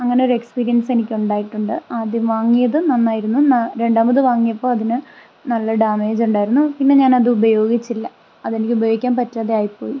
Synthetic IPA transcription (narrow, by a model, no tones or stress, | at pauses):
ɐŋːɐne̞o̞ɾekspiːɾijɐnse̞nikʲːuɳɖaːjiʈːuɳɖɨaːd̪jɐmʋaːŋːijɐðɨnɐnːaːjiɾunːunɐɾe̞ɳɖaːmbɐðɨʋaːŋːijɐpːo̞ːɐðinɨ | nɐlːɐɖaːme̞ːd͡ʑuɳɖaːjiɾunːupinːe̞ɲaːnɐðɨubɐjo̞ːɡit͡ɕːilːɐ | ɐðe̞nikʲːiubɐjoːɡikʲːaːnpɐtːaːðeaːjipo̞̰ːji